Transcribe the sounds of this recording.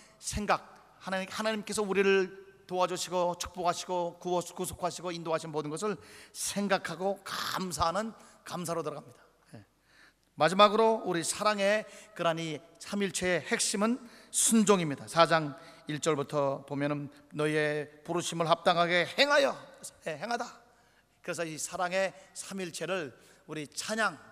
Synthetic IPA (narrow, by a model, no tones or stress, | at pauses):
sʰe̞ŋɡak̚ | hahanaɲimk͈e̞s̬ʰʌuɾiɾɯɭtoad͡ʑuɕʰiɡot͡ɕʰu̥k̚p͈oɡɦaɕʰiɡokukusʰo̥kʰaɕʰiɡoindoɦaɕʰinmodɯnɡʌsʰɯɭsʰe̞ŋɡakʰaɡoka̰msʰaɦanɯnkams̬ʰaɾotɯɾʌɡamɲid̥ḁ | je | mad͡ʑimaɡɯɾouɾisʰaɾaŋe̞kɯɾaɲisʰamiɭt͡ɕʰeehe̞k̚ɕ͈imɯnsʰund͡ʑoŋimɲidasʰad͡ʑaŋiɭt͡ɕ͈ʌɭbutʰʌpomjʌnɯnː | ʌie̞puɾuɕʰimɯɭɦap̚t͈aŋɦaɡe̞heŋɦajʌjeɦeŋɦada | kɯɾes̬ʰʌisʰaɾaŋe̞sʰamiɭt͡ɕʰe̞ɾɯɭ | uɾit͡ɕʰaɲaŋ